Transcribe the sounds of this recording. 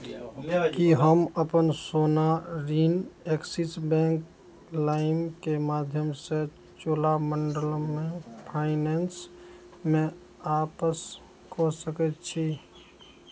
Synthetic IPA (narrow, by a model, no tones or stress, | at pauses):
kiɦəməpənsoːnaɾineksisbɛ̃ŋk | laɪmkemad̪ʱjəmse | t͡ʃolaməɳɖəlmẽpʰaɪnens | mẽ | apəs | kɔsəkət̪t͡ʃʰi